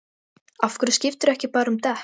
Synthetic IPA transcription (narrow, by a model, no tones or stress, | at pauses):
afkʏɾscɪft̪ʏɾɛhcɪpaːɾʏmt̪ɛ